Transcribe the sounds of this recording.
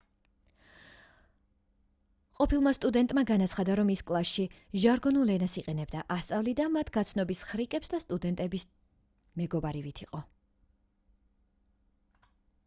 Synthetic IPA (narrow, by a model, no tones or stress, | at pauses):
qʼɔpʰilˠmast̪ʼud̪ɛnt̪ʼmaɡanat̪sʰχad̪aɾɔmiskʼlˠasʃiʒaɾɡɔnulˠlɛnasiqʼɛnɛbd̪aʔast̪sʼavlid̪amat̪ʰɡat̪sʰnɔbisχɾikʼɛpsd̪ast̪ʼud̪ɛnt̪ʼɛbis | mɛɡɔbaɾivit̪ʰiqʼɔ